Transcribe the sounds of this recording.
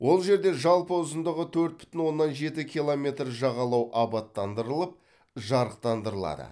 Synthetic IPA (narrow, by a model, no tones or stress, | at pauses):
wo̞lˠʒe̞ɾd̪e̞ʒɑlˠpəʊzənd̪əʁət̪ʰɵɾt̪̚bɪ̥ʏ̥t̪ɪnwo̞nːɑnʒe̞t̪ɪkʲʰijlˠome̞t̪rʒɑʁɑlˠɑwʔɑbɑt̪ːɑnd̪əɾəlˠəp̚ | ʒɑɾəq̚t̪ɑnd̪əɾəlˠɑ̰d̪ə̰